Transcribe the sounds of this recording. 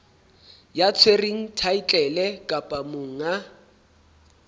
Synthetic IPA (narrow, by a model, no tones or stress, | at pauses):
jat͡sʰweriŋ̩tʰait͡ɬʼɛlɛkʼapʼamʊŋ̩a